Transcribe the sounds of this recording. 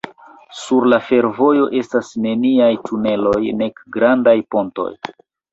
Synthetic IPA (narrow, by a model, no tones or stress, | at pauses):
suɾlafe̞ɾvo̞jo̞ʔe̞stasne̞niajtʰune̞lo̞jne̞kɡɾandajpo̞nto̞̰j